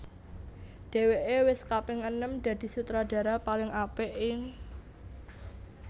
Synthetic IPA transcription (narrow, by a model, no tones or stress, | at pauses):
d̪̥e̤weʔewɪskapɪŋənəmd̪̥ä̤d̪̥i̤sut̪ɾad̥a̤ɾapalɪŋapɛʔɪŋ